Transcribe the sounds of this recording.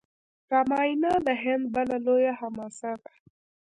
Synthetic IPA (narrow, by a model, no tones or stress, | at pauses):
ɾamaːinad̪əɦɪnd̪̚bəlalojahamaːsad̪a